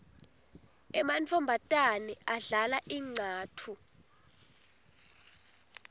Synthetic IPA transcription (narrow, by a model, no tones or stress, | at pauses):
ɛmantʰɔmbʱatʼanɛaɮalaʔiːŋ͡ǀʱaːtʰu